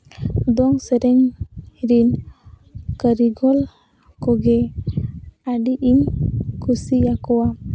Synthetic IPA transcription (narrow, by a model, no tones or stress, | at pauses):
d̪ɔŋsɛɾɛŋɾin | kəɾiɡɔl | kɔɡɛ | aɖiʔimkʰusijakɔwa